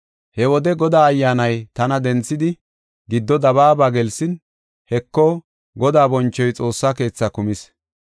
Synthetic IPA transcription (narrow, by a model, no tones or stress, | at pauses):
hɛwɔd̪ɛɡɔd̪aːɐjːaːnɐjt̪ɐnɐd̪ɛnt͡sːɪd̪ɪ | ɡɪd̪ːɔd̪ɐβaːbaɡɛlsɪn | hɛkːɔ | ɡɔd̪aːbɔnt͡ʃːɔjt͡sʼo̞ːsːaːke̞ːt͡sːɐkʊmɪs